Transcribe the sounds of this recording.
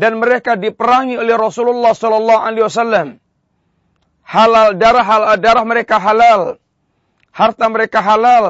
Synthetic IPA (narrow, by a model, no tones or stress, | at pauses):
danməɾekadipəɾaŋiolɛhrɔsululːɑhsɔlɔlːɑɦaliwasalːam | halaldaɾaɦaladaɾahməɾekaɦalal | hart̪aməɾekaɦalal